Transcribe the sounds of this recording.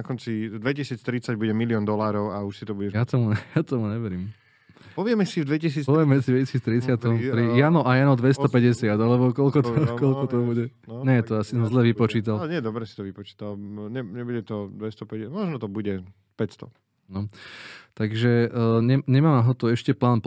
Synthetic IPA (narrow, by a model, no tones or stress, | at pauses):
akɔnt͡sid̪ʋɛcisiːt͡st̪ɾit͡saɟbuɟɛmiliɔːnd̪ɔlaːɾɔʊauʃsit̪ɔbuɟɛjat̪ɔmuɛjat̪ɔmuɲɛʋɛɾiːm | pɔʋɪɛmɛsivd̪ʋɛcisiːt͡spɔʋɪɛmːɛd͡zid̪ʋɛcisiːt͡st̪ɾit͡sɪat̪ɔɾijanɔʔajanɔd̪ʋɛst̪ɔpɛɟɛsɪad̪alɛbɔkɔlkɔt̪ɔkɔlkɔt̪ɔbuɟɛ | ɲɛt̪ɔasisɔmzlɛʋipɔt͡ʃiːt̪alɲɛd̪ɔbɾɛsit̪ɔʋipɔt͡ʃi̥ːt̪alɲɛɲɛbuɟɛt̪ɔd̪ʋɛst̪ɔpɛɛmɔʒnɔt̪ɔbuɟɛ | pɛcst̪ɔ̰ | nɔt̪aɡʒɛɲɛɲɛmaːmnaɦɔt̪ɔɛʃcɛplaːnp